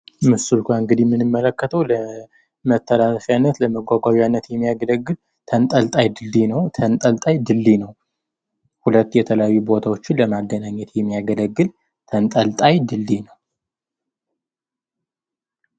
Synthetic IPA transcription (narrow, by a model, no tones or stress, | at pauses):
mɨsulkʷaɨŋɡɨd̪imːɨnɨmːələkːət̪ʰəwlə | mət̪ʰːəlaləfjanːət̪ləməɡʷaɡʷaβijanːət̪jɛmːijaɡələɡːɨl | t̪ʰənt̪ʼəlt̪ʼajd̪ɨlːinəwt̪ʰənt̪ʼəlt̪ʼajd̪ɨlːinəw | hulət̪ːjɛt̪ʰələjajːubo̞t̪ʰawo̞t͡ʃːɪnləmaɡːənaɲːɛt̪jɛmːijaɡələɡːɨl | t̪ʰənt̪ʼəlt̪ʼajd̪ɨlːinəw